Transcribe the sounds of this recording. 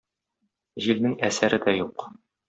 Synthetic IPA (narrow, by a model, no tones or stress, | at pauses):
ʑilnɘŋæsæɾɘd̪æjuq